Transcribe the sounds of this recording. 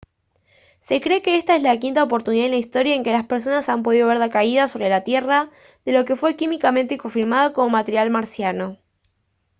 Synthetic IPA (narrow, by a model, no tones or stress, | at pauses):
se̞kɾekeest̪aezlakint̪aopo̞ɾt̪uniðaðenlaist̪o̞ɾjaeŋke̞laspeɾs̬o̞nasampo̞ð̞iðoβe̞ɾðakaiðaso̞βɾe̞lat̪je̞ra | ðe̞lo̞ke̞fwe̞kimikamẽ̞nt̪eko̞ɱfiɾmað̞oko̞mo̞mat̪eɾjalmaɾsjano